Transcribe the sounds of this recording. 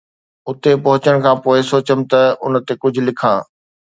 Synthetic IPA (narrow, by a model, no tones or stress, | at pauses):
ʊt̪epɐɦʊt͡ɕəɽ̃kʰãːpoːɪsoːt͡ɕəmt̪ɐʊ̰nət̪ekʊd͡ʑʱʊ̆lɪkʰãː